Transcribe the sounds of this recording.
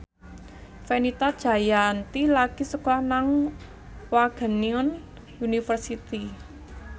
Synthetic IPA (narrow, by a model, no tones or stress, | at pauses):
fenit̪ad̥ʒ̥a̤jant̪ilaɡ̥isəkɔhnaŋ | waɡ̥ə̤niɔn | unifərsit̪i